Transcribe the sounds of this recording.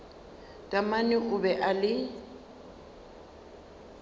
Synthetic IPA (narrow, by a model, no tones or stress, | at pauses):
tʼamanɪʔʊbɛʔalɪ